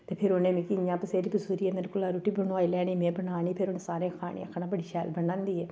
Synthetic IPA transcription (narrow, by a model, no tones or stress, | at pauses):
t̪eːpʰɪɾoneːmĩːkɪjãːpəseːɾiːbʊsuːɾiːɛːmɛ̃ːnkʊlaːɾuːʈiːbənoaːiːlɛːniːmẽːbənaːniːpʰɪɾʊnesaːɾẽːãːkʰaːɽ̃ḛjã̰ːkʰaːnãːbəɽiːʃɛːlbənãːnd̪iːɛː